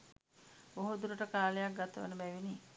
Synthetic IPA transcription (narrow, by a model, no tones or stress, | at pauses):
oɦud̪uɾəʈəkaːlejak̚ɡat̪əʋə̰nəbæʋini